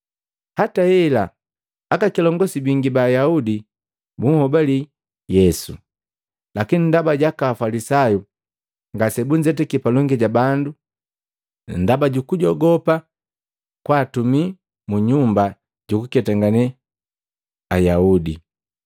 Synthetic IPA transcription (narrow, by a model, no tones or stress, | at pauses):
hataɛlaː | kakilɔŋɡɔsibiŋɡibaːjaudi | buŋhɔbali | jɛsṵ | lakinindabaɟakaːfalisaju | ŋɡasɛbuɲd͡ʒɛtɛkipalɔŋɡɛɟabandu | n̩dabaɟukuɟɔɡɔpa | kwaːtumi | muɲumba | ɟukukɛtaŋɡanɛ | ajaudi